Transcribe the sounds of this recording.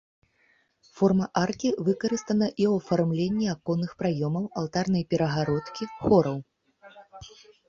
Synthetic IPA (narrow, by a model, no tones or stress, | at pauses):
fɔrmɐʔarkʲivɨkɐɾɨst̪ɐnɐʔiwɐfarmlʲenʲːiakɔnːɨxpɾajɔmɐwɐw̪ˠt̪arnɐjpʲɛɾɐɣaɾɔt̪kʲixɔɾɐw